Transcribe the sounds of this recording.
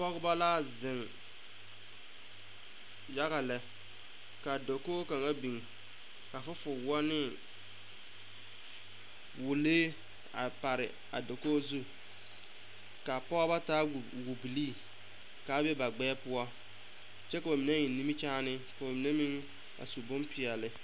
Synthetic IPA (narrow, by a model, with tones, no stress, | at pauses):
pɔ˦ɣba˦laː˦˨zɪ˨ŋ | ja˦ɣa˨lɛ˨ | ka˨do˨koː˦ka˨ŋa˦bi˨ŋ˨ | ka˨fʊ˦fʊ˨wɔ˦nɪ˦ | wʊ˨leː˦ | a̰˨pa˨ɾɪ˨ | a̰˨do˨koː˦zu˦ | ka˨pɔ˦ba˦taː˦˨wu˨bi˨liː˦˨ | ka˨˦bɛ˦ba˨ɡ͡bɛː˦pʊ˦ɔ˦ | t͡ʃɛ˦ka˨ba˨mi˨ne˦jɪ˨˦ni˦mi˦t͡ʃaː˦nɪ˦ka˨ba˨mi˨ne˦mi˦ŋ | a̰˨su˨bʊ˦mpɪ˨ɛ˨lɪ˨